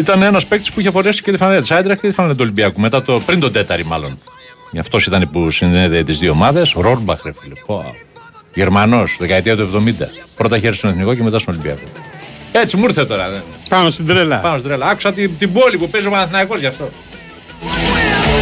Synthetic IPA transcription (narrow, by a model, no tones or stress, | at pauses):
it̪ɐnenɐspekt̪i̥spuiçefonesi̥cet̪ifɐnet̪isɐjd̪ɾɐxcet̪ifɐnɐnet̪uolimbiɐkumet̪ɐt̪opɾind̪o̞d̪e̞t̪ɐɾimɐlo̞n | ʝɐft̪o̞sit̪ɐnipusinneðet̪izðio̞mɐðe̞sɾoɾbɐxɾefilepo | ʝeɾmɐno̞sðekɐet̪iɐt̪ue̞vðo̞mind̪ɐ̰pɾo̞t̪ɐiçeɾist̪oneθniko̞ceme̞t̪ɐst̪ono̞limbiɐ̰kue̞t͡simuɾθet̪o̞ɾɐpanost̪id̪ɾelɐpɐnost̪id̪ɾelɐɐku̥sɐt̪it̪ibo̞lipupezopɐnɐθinɐiko̞zʝɐft̪o̞